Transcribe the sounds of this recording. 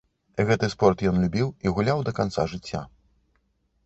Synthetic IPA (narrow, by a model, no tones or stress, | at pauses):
ɣɛt̪ɨspɔrt̪jɔnlʲubʲiwiɣulʲawd̪ɐkant̪saʐɨt͡sʲːa̰